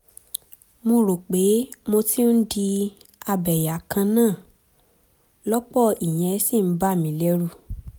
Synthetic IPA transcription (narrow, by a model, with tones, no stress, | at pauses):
mo˧ɾo˨k͡pe˨˦mo˧ti˦n̩˦di˧ | a˧bɛ˨ja˨kã˧nãː˦˨ | lɔ˦k͡pɔ˦˨i˨j̃ɛ̃˨˧˦si˦˨m̩˨˦ba˦˨mĩ˨˦lɛ˦ɾu˦˨